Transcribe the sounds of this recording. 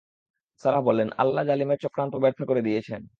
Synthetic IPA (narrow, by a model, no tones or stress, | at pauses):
saɾabɔlena̰lːad͡ʑalimeɾt͡ɕɔkɾant̪obɛɾt̪ʰokoɾed̪ijet͡ɕʰen